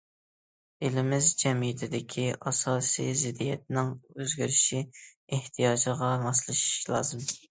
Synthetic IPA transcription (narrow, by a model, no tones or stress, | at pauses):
elɪmɪzd͡ʒɛmijɪt̪ʰɪd̪ɪkʲʰiʔɑsɑːsḭjzɪd̪ijɛt̪̚nɪŋøzɡʲyɾɪʃieht̪ʰijɑːd͡ʒʁɑmɑslˠɨʃi̥ʃlˠɑ̰ːzɨm